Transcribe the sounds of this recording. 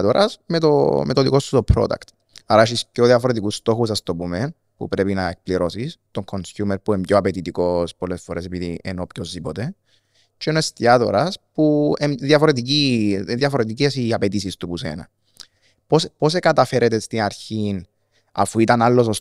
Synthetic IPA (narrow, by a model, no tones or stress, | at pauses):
t̪oɾʔɐsmet̪o̰met̪oðiko̞st̪ut̪opʰɾo̞̰d̪ɐ̰kt̪ | aɾɐeʃ̬iscoðjɐfoɾet̪ikust̪o̞xusɐst̪o̞pumen | pṵpɾe̞pinɐek̚pliɾo̞sist̪oŋkʰonsjumeɾpuembɟoapet̪it̪ikospolːesfoɾesepiðḭḛnopçozðipot̪e̞ | t͡ʃenoest̪iat̪o̞̰ɾɐspuemðjɐfoɾet̪̬iciðjɐfoɾet̪̬icesiapet̪isist̪upusḛnɐ̰ | pospo̞s̬ekɐt̪ɐfe̞ɾʔet̪est̪inɐɾçin | ɐ̰fuit̪ɐnalːo̞sos